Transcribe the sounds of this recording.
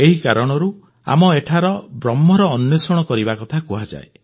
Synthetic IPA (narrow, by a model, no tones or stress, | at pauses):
eɦikaɾɔɽ̃ɔɾu | a̰mɔeʈʰaɾɔbɾɔmːɔɾɔːnjɔsɔɽ̃ɔkɔɾibakɔt̪ʰakuɦad͡ʒa̰e